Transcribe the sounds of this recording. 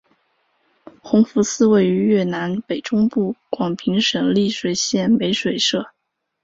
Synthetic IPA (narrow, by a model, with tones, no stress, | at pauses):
xʊ˧˥ŋfu˧˥sɹ̩˥we˥˩ɪy˧˥ɥɛ˥˩na˧˥npe˨˩ɪʈ͡ʂʊ˥ŋpu˥˩kwɑ˨˩ŋpʰi˧˥ŋʂɤ˨˩ŋli˥˩ʂwe˨˩ɪɕjɛ˥˩npe˧˥ɪʂwe˨˩ɪʂɤ˥˩